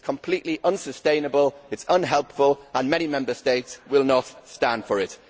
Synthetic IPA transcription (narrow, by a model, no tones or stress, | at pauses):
kʰə̃mpʰl̥iˑʔliʔʌ̃nsəstẽɪ̃nəbəlɪtsʌ̃nɦɛlˠpfəlˠə̃nmɛñimɛ̃mbəsteɪtswɪlˠnətstãnd̥fəɹɪt